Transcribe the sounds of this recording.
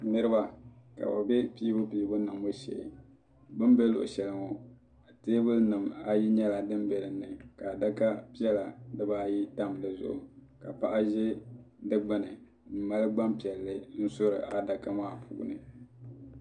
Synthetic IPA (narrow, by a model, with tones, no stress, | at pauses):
nɨ˦ɾɨ˦ba˨ka̰˨ba˨bɛ˦piː˦bʊ˦piː˦bʊ˦nɨ˨mo˦ʃḛ˦˨ | bɨ˦mbɛ˦lʊ̰˨ʔʊ̰˨ʃɛ˨lɨ˨ŋo˨ | a˨teː˦bʊ˦lnɨ˨ma˦ji˦ɲɛ˦la˨dɨ˦mbɛ˨lɨ˨nːɨ˨ka˨da˦ka˦pi˦ɛ˦la˨dɨ˦baː˦˨ji˦ta˦m˨lɨ˨zʊ̰˨ʔʊ˨ | ka˨pa˦ʔa˦ʒe˦ | dɨ˦ɡ͡ba˨nɨ˨ | m̩˨ma˦lɨ˦ɡ͡ba˦mpi˨ɛ˨lːɨ˦n̩˦so˦ɾɨ̰˨ʔa˨da˨ka˦maː˦˨pʰṵː˨˦˨nɨ̰˨